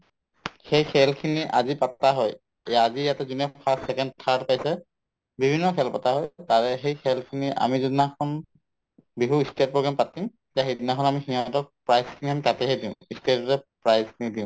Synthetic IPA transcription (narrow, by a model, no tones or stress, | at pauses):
xejkʰɛlkʰiniʔazipataɦɔj | azijatɛzinɛpʰassɛkɛnd̚tʰaɹtpajsɛ | bibʱinːɔkʰɛlpataɦɔjtaɹɛxejkʰɛlkʰiniʔa̰mizudnaxʰɔn | biɦuistet̚pɹɔɡampatim | zaɦejdinaxʰɔnamixiɦɔ̃tɔk̚pɹajzkʰiniamitatɛɦejdĩʊ̃istetɔɹɛpɹajzkʰinidĩʊ̃